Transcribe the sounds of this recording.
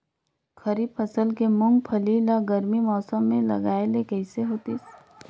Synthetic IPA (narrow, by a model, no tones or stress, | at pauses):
kʰɐɾiːfʰəsəlkemʊ̃ŋɡ̚pʰɐlilaɡɐɾmimɔːsəmːẽlɐ̰ɡaːelekɛɪseɦoːt̪is